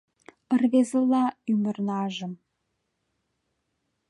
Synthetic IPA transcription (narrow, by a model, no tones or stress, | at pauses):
ə̆rβezə̆lˠɑymə̆rnɑʒə̆m